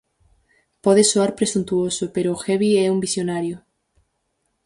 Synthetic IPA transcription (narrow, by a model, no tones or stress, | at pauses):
pɔðesoaɾpɾesunt̪uosʊpeɾʊːxɛβiɛumbisjonaɾjʊ